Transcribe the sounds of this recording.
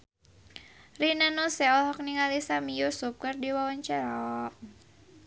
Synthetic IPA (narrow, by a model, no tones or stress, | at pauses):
rinanɔsɛɔlɦɔk̚niŋalisamijusup̚kɨrdiwawaɲt͡ʃaɾa